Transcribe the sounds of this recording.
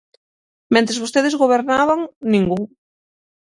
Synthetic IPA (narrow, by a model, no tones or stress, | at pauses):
mẽnt̪ɾezβost̪eðezɣoβeɾnaβaŋnĩŋɡuŋ